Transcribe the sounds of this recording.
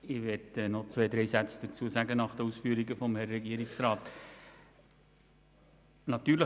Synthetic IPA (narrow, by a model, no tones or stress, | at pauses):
ɪʋɛtənɔt͡sʋeːd̪ɾɛjsæt͡sd̥̪ət͡suəsæɡənɑχd̥̪əusfyːəɾiɡəfɔmhɛɾːɛɡiəɾiksɾɑːt̪ | nɑt̪ːyːɾlə